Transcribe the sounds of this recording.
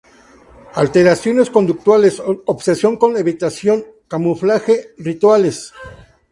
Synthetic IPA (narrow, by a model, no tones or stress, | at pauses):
alt̪e̞ɾasjo̞ne̞sko̞nd̪uk̚t̪wale̞sobsesjo̞ŋko̞neβit̪asjo̞ŋkamuflaxerit̪wales